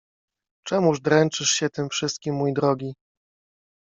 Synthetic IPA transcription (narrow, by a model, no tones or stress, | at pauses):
t͡ʂɛmuʐd̪ɾɛnt͡ʂɘʂɕɛt̪ɘmfʂɘst̪kʲimːujd̪ɾɔɡʲi